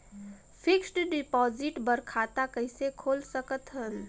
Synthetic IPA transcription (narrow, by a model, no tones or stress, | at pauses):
pʰɪksʈɖɪpɔd͡ʒɪʈbəɾkʰat̪akəɪsekʰoːlsəkət̪ɦən